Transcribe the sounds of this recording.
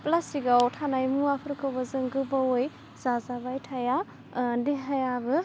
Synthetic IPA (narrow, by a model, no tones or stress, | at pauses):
plasiɡawtʰanajmuapʰɯɾkʰɯwbɐzɯŋɡɯbawoj | z̥azabajtʰaja | diɦajabɯ